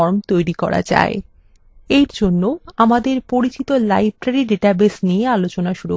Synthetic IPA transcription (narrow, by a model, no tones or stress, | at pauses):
ɔɾmt̪ojɾikɔ̰ɾa̰d͡ʑa̰e | eɾd͡ʑonːoamad̪eɾpoɾit͡ɕit̪olajb̚ʱɾaɾiɖeʈabesniealot͡ɕonaʃuɾu